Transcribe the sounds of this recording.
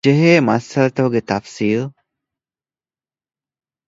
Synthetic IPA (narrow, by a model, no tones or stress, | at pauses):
d͡ʒeɦeːmɐsɐlɐt̪ɐʋuɡet̪ɐfsiːl